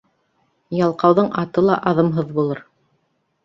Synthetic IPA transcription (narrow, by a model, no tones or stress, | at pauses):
jɑlˠqɑwðɤɴʔɑt̪ɤlˠɑʔɑðɤmɦɤðbulˠɤɾ